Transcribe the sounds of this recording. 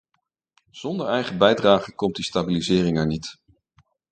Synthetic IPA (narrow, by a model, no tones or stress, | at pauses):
z̥ɔndəɹɛjχəbɛjdraːχəkɔmt̚distabilizɪːrɪŋɛɹnit